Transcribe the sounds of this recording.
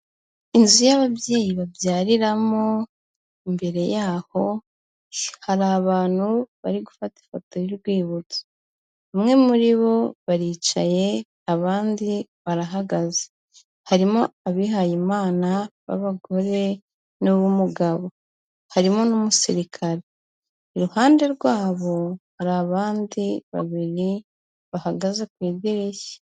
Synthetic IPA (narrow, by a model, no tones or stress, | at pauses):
inzujaβaβje̞ːjiβavjaːɾiɾamo̞ | imbe̞ɾe̞jaːho̞ | haɾaβaːn̥huβaɾiɡufati̥foto̞jiɾɡwiːβut͡so̥ | βamŋe̞muɾiβo̞βaɾiːt͡ʃaje̞ | aβaːndiβaɾaɦaɡaze̥ | haɾimoaβiɦajimaːnaβa̰βaɡo̞ɾe̞ | nuβumuɡaβo̞ | haɾimonumusiɾikʰaɾeː | ɾuhaːnde̞ɾɡwaːβo̞haɾaβaːndiβa̰βiɾi | βahaɡazekwiːɟeɾeçe̥